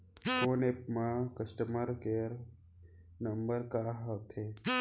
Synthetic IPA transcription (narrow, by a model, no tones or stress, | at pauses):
konepmakɐsʈəməɾkeːɾ | nɐmbəɾkaɦɐt̪ʰe